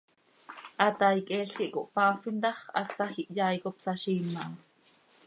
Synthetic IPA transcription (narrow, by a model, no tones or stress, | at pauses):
ʔɑt̪ɑjkʼɛːɬkiʔkoʔpɑːfint̪ɑχʔɑ̰sɑxiʔjɑːjkopsɑʃiːmːɑʔɑ